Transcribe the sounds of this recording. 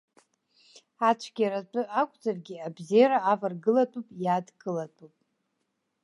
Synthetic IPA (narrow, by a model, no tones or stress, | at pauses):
at͡ʃʷʰɡʲiaɾatʼɨakʷʼd͡zarɡʲɪabzejaɾaːvarɡɨlatʼupʼjadɡɨlatʼupʼ